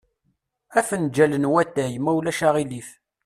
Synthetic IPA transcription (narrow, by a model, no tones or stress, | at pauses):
æfənd͡ʒælənwæt̪ːæjmæwlæʃaʁilif